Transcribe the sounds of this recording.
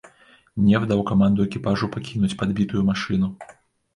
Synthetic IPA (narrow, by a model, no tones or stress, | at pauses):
nʲɛvd̪awkamand̪uɛkʲipaʐupakʲinut͡sʲpad̪bʲit̪ujumaʂɨnu